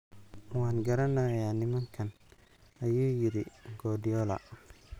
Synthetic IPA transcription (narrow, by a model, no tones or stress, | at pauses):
waːnɡɐɾɐnaːjaːnɪmɐŋkʰɐn | ɐjuːjɪɾɪɡɔːdɪjɔːlɐ̰